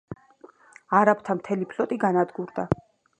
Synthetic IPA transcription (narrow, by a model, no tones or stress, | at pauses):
aɾapʰt̪ʰamt̪ʰɛlipʰlɔt̪ʼiɡanad̪ɡuɾd̪a